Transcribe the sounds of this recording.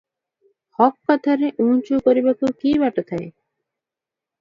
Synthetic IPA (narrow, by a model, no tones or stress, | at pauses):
hɔkːat̪ʰaɾeʔunt͡ʃukoɾibakukibɛʈot̪ʰae